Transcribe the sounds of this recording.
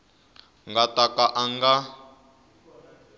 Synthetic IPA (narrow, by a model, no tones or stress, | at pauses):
ŋɡatakʼaʔaŋɡa